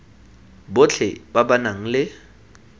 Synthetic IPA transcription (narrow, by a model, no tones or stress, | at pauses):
bʊt͡ɬʰɛbabanaŋ̩lɪ